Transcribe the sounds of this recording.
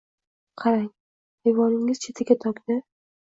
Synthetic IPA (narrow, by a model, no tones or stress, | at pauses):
qʰɑɾaŋ | ejvɒnɪŋɪz̥t͡ʃʰet̪ʰaɡʲat̪ʰɒkʲnɪ